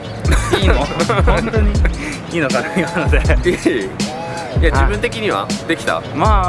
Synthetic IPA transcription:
iːoõnt̪oɲ̟i | iːnokanaimanod̪e | jad͡ʑibɯ̃nt̪e̞kʲiɲ̟iβa̰d̪e̞kʲi̥t̪a̰ma

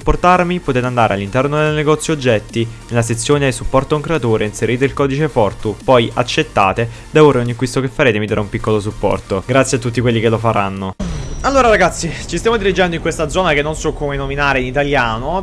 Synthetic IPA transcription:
upːort̪armipot̪eːt̪eand̪aːɾḛa̰lːint̪ɛrnod̪elneɡɔt̪sːjod͡ʒːɛt̪ːinelːaset̪sːjoːneajsupːɔrt̪ouŋkɾeat̪oːɾeinseɾiːt̪eilkɔːd̪it͡ʃefɔrt̪upɔja̰t͡ʃːet̪ːa̰ːt̪e | d̪avoreunːikːwist̪okefːaɾeːt̪emid̪aɾaumpikːolosupːɔ̰rt̪oɡɾat̪sjat̪ːut̪ːikwelːikelːofaɾanːoalːoːɾaɾaɡat̪sːit͡ʃist̪jamod̪iɾid͡ʒɛnd̪oiŋkwest̪ad̪zɔːnakenːonsɔkːoːmenominaːɾeinit̪aljaːno

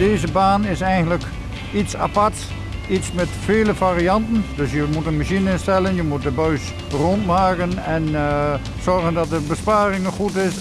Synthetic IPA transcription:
deːzəbaːnɪsɛjɣən̩tlək | itsa̰pat | itsmɛtfeːləfaːriɑntəndøsjəmutənmaʃinɪstɛlˠənjəmut̚dəbœɥs | rontmaːkənɛn | sɔrɣəndɔt̚dəbəspaːrɪŋəxutɪs

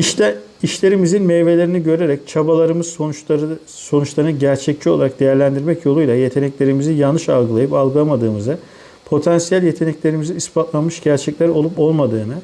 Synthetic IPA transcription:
iʃt̪ʰɛ | iʃlʲe̞ɾimizinmɛjve̞lʲe̞ɾiniɟø̞ɾe̞ɾɛc̚t͡ʃʰabalˠaɾɯmɯz̥ | so̞nut͡ʃlˠaɾɯnɟæɾt͡ʃʰɛc̚t͡ʃʰio̞lˠaɾak̚d̪e̞jæɾlʲænd̪iɾmɛcjo̞lˠujlˠaje̞t̪ʰe̞nɛclʲe̞ɾimizijalnːɯʃalˠɡɯlˠajɯpalˠɡɯlˠamad̪ɯːmɯzɯ | pʰo̞t̪ʰɛnsijælʲje̞t̪ʰe̞nɛclʲe̞ɾimiziispʰat̪lˠanmɯʃɟæɾt͡ʃʰɛclʲæɾo̞lˠupo̞lˠmad̪ɯːnɯ

